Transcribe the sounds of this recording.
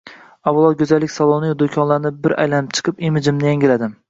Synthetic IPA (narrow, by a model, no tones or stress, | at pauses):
awʊlˠɒd̪̚ɡʲɵzalːɪkʲsɒlˠonɪjd̪okʲʰɒnlaɾnɪbɪɾʔa̰jlanɪp̚t͡ʃʰɨ̥qʰɨpimɪd͡ʒɪmnɪjaŋʲɪlad̪ɪm